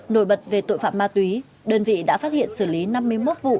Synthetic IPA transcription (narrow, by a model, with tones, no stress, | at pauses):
no˧˩jɓə˨˩t̚ve˨˩t̪o̰˧˨jfa̰ː˧˨maː˧t̪wi˨˦ | ɗəː˧nvḭ˧˨ɗa̰ː˧˥faː˦˥t̚hḭ˧˨ənsɨ˧˩li˨˦na˧mːɨ˧əjmo˦˥t̚vṵ˧˨